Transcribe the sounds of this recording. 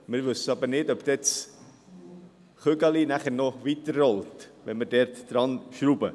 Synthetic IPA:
mɪɾvɵsːəɑbəɾnɪdɔpd̪̥ɛt͡s | χøɡɑlinæχəɾnɔvit̪ərːɔltʋɛnmərdɛɾtd̥ɾɑnʃruːbə

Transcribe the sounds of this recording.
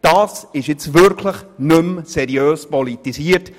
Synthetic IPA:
d̥aːsɪʃɪt͡svʏɾkʰləχnʏmsɛɾiøːspɔlitisiːəɾt

